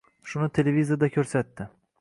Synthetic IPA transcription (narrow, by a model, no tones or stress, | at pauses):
ʃʊnɪt̪ʰe̞levizijad̪akʲʰɵɾsat̪ːɪ